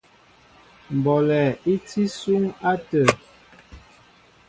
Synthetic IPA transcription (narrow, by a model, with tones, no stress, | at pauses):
m̩˨bɔ˨lɛ˨i˦t͡si˦su˦ŋa˦tə˨